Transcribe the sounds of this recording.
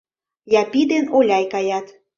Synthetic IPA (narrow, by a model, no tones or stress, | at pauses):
jɑpid̪enolʲɑjkɑjɑt̪